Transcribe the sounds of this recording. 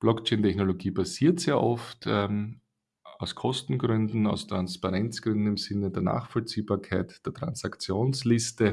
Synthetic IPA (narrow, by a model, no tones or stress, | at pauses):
b̥lɔkt͡ʃeɪntɛçnoloɡiːbasiːɐtseːɐʔɔftʰɛm | aʊskʰɔstn̩ɡʁʏndn̩a̰ʊstʁ̥anspaʁɛnt͡sɡ̥ʁʏndn̩ɪmz̥ɪnədeːɐna̰ːχfɔlt͡siːbaːɐkʰaɪtd̥eːɐtʁ̥a̰nsakt͡sjoːnslɪstə